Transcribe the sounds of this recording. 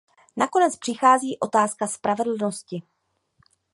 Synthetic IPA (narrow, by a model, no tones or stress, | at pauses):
nakonɛt͡spr̝̥ɪxaːziːʔo̞t̪aːskaspɾavɛdl̩noscɪ